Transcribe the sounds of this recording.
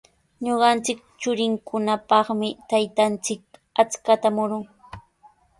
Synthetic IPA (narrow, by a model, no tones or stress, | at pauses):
ɲoɢɑnt͡sɪk̚ | t͡ʃʊɾɪŋkʰʊnapɑχmɪt̪ajt̪ant͡sɪk̚at͡skat̪amʊɾʊŋ